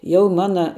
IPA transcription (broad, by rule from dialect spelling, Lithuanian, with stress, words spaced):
ˈjɛʊ ˈmɑːnɐ